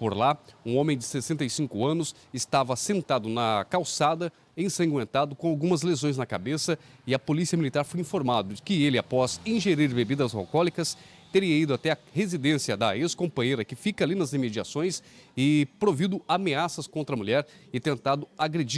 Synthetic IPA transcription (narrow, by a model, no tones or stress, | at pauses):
poɾlaũõmẽj̃d͡ʒɪsesẽnt̪ɐjsĩkʊɐ̃nʊs | ɪst̪avɐsẽnt̪ad̪ʊnɐkawsad̪ɐ | ẽj̃sẽŋɡwẽnt̪ad̪ʊkõawɡũmɐzlezõj̃znɐkabesɐɪɐpolisiɐmilit̪aɾfojĩfoɾmad̪ʊd͡ʒɪkɪelɪapɔzĩʒeɾiɾbebid̪ɐza̰wkɔlikɐs | t̪eɾiɐid̪ʊat̪ɛɐhezid̪ẽsijɐd̪ɐeskõmpɐ̃jejɾɐkɪfikɐalinɐzemed͡ʒiasõj̃sɪpɾovid̪ʊameasɐskõnt̪ɾɐmuʎɛɾɪt̪ẽnt̪ad̪ʊaɡɾed͡ʒi